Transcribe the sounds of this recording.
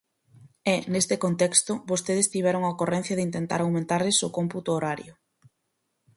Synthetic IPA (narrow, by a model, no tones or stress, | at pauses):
ɛnest̪ɪkont̪ɛkst̪ʊbost̪eðɪst̪iβɛɾoŋɐokorɛn̟θjɐðɪint̪ent̪a̰ɾawmẽnt̪aɾlɪsokomput̪oːɾaɾjʊ